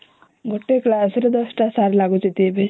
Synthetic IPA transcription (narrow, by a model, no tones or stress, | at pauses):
ɡʱoʈːeklasɾed̪ʌsʈasaɾlaɡut͡set̪ijebe